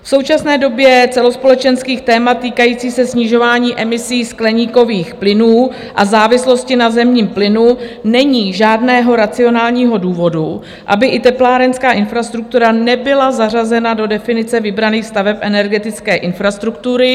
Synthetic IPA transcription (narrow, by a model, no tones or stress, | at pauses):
fso̞wt͡ʃasnɛːdo̞bjɛt͡sɛlo̞spo̞lɛt͡ʃɛnskiːxt̪ɛːmat̪̚t̪ːiːkajiːt͡siːsɛsɲɪʒo̞vaːɲiːʔɛmɪsiːsklɛɲiːko̞viːxplɪnuː | ʔazaːvɪslo̞scɪnazɛmɲiːmplɪnunɛɲiːʒaːdnɛːɦo̞ɾat͡sɪo̞naːlɲiːɦo̞duːvo̞du | ʔa̰bɪʔɪt̪ɛplaːɾɛnskaːʔɪnfɾast̪ɾuk̚t̪uɾanɛbɪlazar̝azɛnado̞dɛfɪnɪt͡sɛvɪbɾaniːxst̪avɛpʔɛnɛɾɡɛt̪ɪt͡skɛːʔɪnfɾast̪ɾukt̪uɾɪ